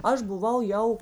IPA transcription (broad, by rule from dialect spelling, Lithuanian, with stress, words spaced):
ˈɐʃ bʊˈʋɐʊ ˈjɛʊ